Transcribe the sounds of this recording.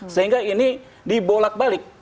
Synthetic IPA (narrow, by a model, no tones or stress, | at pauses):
səɦiŋɡaini | dibolak̚balɪk̚